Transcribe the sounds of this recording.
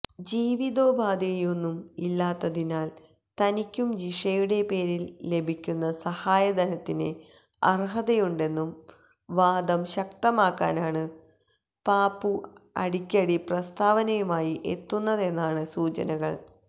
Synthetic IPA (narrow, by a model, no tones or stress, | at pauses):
d͡ʑiːʋiðo̞ːbʱaːd̪ejo̞nːumilːaːt̪ːɐðinaːl | t̪ɐnikʲːumd͡ʑiʂɐjuɽe̞pe̞ːɾilːe̞bʱikʲːunːɐsɐhaːjɐd̪ɐnɐt̪ːinɨ | ɐ̰rɦɐðɐjuɳɖe̞nːum | ʋaːd̪ɐmɕɐkt̪ɐmaːkːa̰ːnaːɳɨ | paːpːuɐ̰ɽikʲːɐɽiprɐst̪aːʋɐnɐjumaːjiʔḛt̪ːunːɐðe̞nːaːɳɨsuːt͡ɕɐ̰nɐɣɐ̰ɭ